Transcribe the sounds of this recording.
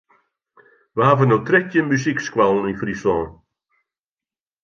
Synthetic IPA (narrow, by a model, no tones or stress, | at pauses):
ʋəɦaːvənəwtrɛtjəmysikskwalˠninfrisɔ̃ːn